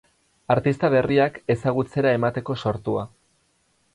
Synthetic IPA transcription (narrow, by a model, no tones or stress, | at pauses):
aɾt̪ist̪aβe̞riake̞saɣ̞ut͡se̞ɾae̞mat̪e̞ko̞so̞ɾt̪ua